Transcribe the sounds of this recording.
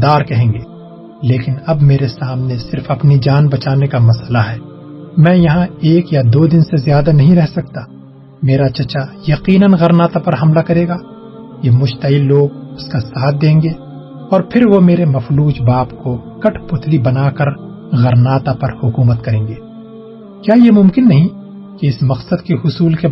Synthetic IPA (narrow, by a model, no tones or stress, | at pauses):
d̪aːɾkɐɦẽːŋɡeː | leːkɪnɐbmeːɾesaːmnesɪɾfɐpnid͡ʒaːnbɐt͡ʃaːnekamɐsəlaɦɛː | mɛ̃ːjɐɦãeːkjad̪oːd̪ɪnsezjaːd̪anɐɦĩɾɛɦsɐk̚t̪aː | meːɾat͡ʃɐt͡ʃajɐqiːnənɣɐɾnaːt̪apɐɾɦɐmlakɐɾeːɡaː | jemʊʃt̪ɐɪlːoːɡʊskasaːt̪̚ʰd̪ẽːŋɡeː | ɔːɾpʰɪɾʋomeːɾemɐfluːd͡ʒbaːpkokɐʈʰpʊt̪ʰlibɐnaːkɐɾ | ɣɐɾnaːt̪apɐɾhʊkuːmət̪kɐɾẽːŋɡeː | kjaːjemʊ̃mkɪnːɐɦĩ | keɪsmɐqsəd̪keɦʊsuːlke